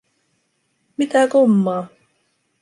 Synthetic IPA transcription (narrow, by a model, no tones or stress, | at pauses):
mit̪ækomːɑː